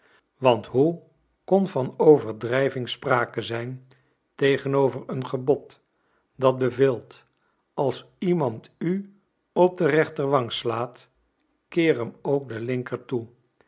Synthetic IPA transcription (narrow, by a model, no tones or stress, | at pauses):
ʋɑntɦu | kɔnvɑnowvəɹdrɛjvɪŋspraːkəzɛjn | tejχənowvərənχəbɔt | dɑt̚bəvɪlˠt | ɑlˠs | imɑnty | ɔp̚dərɛχtəɹʋɑŋslaːt | kɪːrəmowk̚dəlɪŋkərtu